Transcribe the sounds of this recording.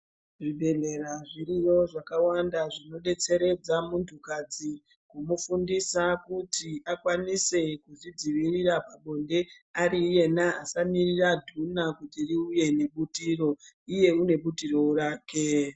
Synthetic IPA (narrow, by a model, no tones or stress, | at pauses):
ʐibʱe̞ɮe̞ɾaʐirijo̞ʐakawandaʐino̞ɗe̞t͡se̞ɾe̞d͡zamuntʰukad͡zi | kumufundisakutiʔakwanise̞kuʐid͡ziʋirirapaɓo̞nde̞ | arije̞naːsamiriradʱunakutiriuje̞ne̞ɓutiro̞ije̞une̞ɓutiro̞uɾaːke